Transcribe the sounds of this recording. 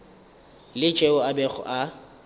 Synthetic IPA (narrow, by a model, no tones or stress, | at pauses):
lɪt͡ʃʼeʊabɛχʊ̰ʔa